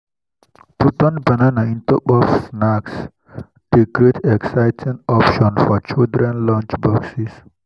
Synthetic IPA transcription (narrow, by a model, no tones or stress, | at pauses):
put̪ɔ̃nbɐnanaĩnt̪ɔpɔfsnaks | ɖ̥ikɾeʈʰeksaɪtʰĩŋɔpʃɔ̃nfɔt͡ʃild̪ɾɛ̃nlɔ̃nt͡ʃbɔksis